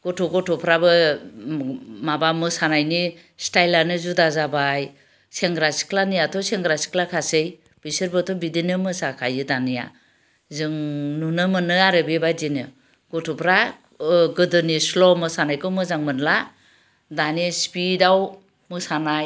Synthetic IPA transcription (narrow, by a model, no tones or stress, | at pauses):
ɡ̥ɔtʰɔɡɔtʰɔpʰɾabɯ | mabamɯsanajni | stajlanɯzudazabaj | seŋɡɾasi̥kʰlanɯjatʰɔseŋɡɾasi̥kʰlakʰasɯj | b̥isɯɾbɯtʰɔbidinɯmɯsakʰajɯdanɯja̰ | zɯŋnunɯmɯnɯaɾɯbebazinɯ | ɡ̥ɔtʰɔpʰɾa | ɡɯdɯnislɔmɯsanajkɯmɯzaŋmɯnla | danispidaw | mɯsanaj